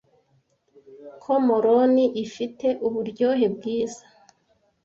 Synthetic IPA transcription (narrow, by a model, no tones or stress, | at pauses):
kʰomoɾoniʔifite̞ʔuβuɾɟo̞ːɦe̞bɡiːza